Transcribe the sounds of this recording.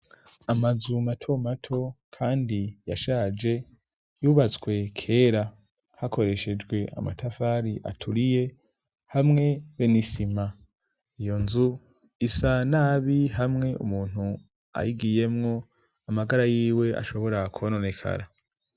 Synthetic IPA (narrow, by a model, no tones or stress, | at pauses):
amazumatʰo̞matʰo̞kʰaːndija̰ʃaːd͡ʒe̞ | juːβat͡swe̞kʰe̞ːɾa | hakʰo̞ɾe̞ʃe̞d͡ʒɡwe̞ʔa̰ma̰tʰafaːɾiʔa̰tʰuɾije̞ | hamŋe̞βenisima | ijo̞nzu | isanaːβihamŋe̞umuːn̥hu | a̰jiɡije̞mŋo̞ | amaɡaɾajiːwe̞a̰ʃo̞βo̞ɾakuβanone̞kʰa̰ɾa